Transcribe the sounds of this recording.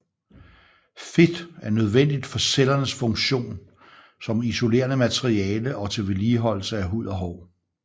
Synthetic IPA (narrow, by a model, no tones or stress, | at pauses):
fed̥æɐnøð̞ˠʋen̰d̥id̥fɒ̽selɐnəsfɔ̽ŋɕo̝̰ːn | sɒ̽miso̝le̝̰ːɐnəmæt͡sʰeʁiɛːləʔɒ̽t͡sʰe̝ʋeliːɦɒ̽l̰l̩səæɦuð̞̰ˠɒ̽ɦɒʊ